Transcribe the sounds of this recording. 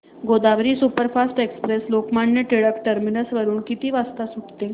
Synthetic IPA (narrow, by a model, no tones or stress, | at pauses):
ɡod̪aʋɾiːsupəɾfasʈekspɾeslokmaɳːeʈeɭəkʈəɾminəsʋəɾuːnkit̪iːʋast̪asuʈt̪e